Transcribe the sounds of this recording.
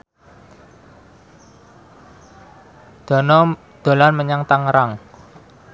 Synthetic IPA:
d̪̥ɔ̤nɔ | d̪̥o̤lanməɲaŋt̪aŋɾaŋ

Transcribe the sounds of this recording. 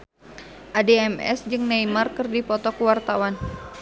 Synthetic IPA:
ʔadeɛmɛ̰sd͡ʒɨŋnaimarkɨrdipɔt̪ɔkəwart̪awan

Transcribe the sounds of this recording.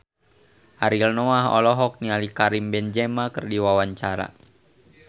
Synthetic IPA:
ʔaɾilnɔaɦɔ̰lɔɦɔk̚nialikaɾimbɛnd͡ʒɛmakɨrdiwawaɲt͡ʃaɾa̰

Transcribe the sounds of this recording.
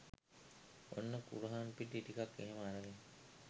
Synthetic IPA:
o̰nːəkṵɾuɦaːnpiʈːiʈikakːeɦeməaɾaɡe

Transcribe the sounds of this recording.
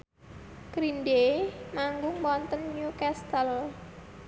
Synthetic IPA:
kɾinɖemaŋɡʊŋwɔnt̪ənɲukɛst̪əl

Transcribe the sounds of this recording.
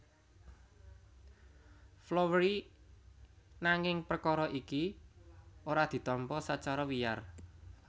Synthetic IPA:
flowɾi | naŋɪŋprəkɔɾɔʔiki | oɾad̪̥i̤t̪ɔmpɔsat͡ʃaɾɔwija̰r

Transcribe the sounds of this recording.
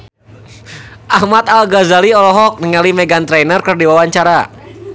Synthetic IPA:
ʔahmat̪alɡazaliɔlɔɦɔk̚nəŋalimɛɡant̪ɾɛnərkərdiwawaɲt͡ʃaɾa

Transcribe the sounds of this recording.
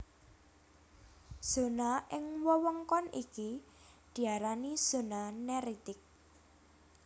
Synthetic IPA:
z̥o̤naʔɪŋwɔwɔŋkɔnḭkid̪̥i̤aɾaniz̥o̤nanɛɾit̪ɪk̚

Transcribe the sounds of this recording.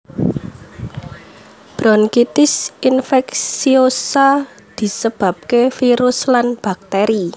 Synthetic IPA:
b̥ɾɔnkit̪ɪsʔinfɛksiosa | d̪̥i̤səb̥ä̤p̚kefiɾʊslanb̥ak̚t̪eɾi

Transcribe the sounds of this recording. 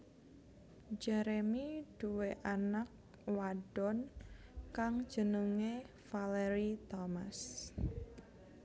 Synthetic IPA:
d͡ʒɛɾemid̥uweʔanak̚ | waɖ̥ɔnkaŋ̥d͡ʒ̥ənuŋe | faleɾit̪ɔmas

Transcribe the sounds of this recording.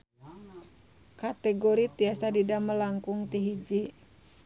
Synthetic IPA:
kat̪ɛɡɔɾit̪iasadidaməlaŋkuŋt̪iɦid͡ʒi

